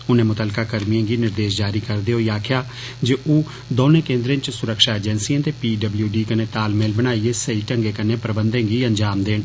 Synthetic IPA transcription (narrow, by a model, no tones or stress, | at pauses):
ʊnẽːmʊt̪əːlkaːkəɾmijẽːɡiːnɪɾd̪eːʃ̬d͡ʒaːɾiːkəɾd̪eːɦoːiːaːkʰɪjaː | d͡ʒeːʔoː | d̪oːnẽːkẽːnd̪ɾẽnt͡ʃsʊɾəkʃaːeːd͡ʒɛnsiːãːt̪eːpiːɖəbljuːɖiːkəneːt̪aːlmeːlbəɽ̃aːieːsəiːʈəŋɡeːkənẽːpɾəbənd̪ẽːɡiːəɲd͡ʒaːmd̪eːɳ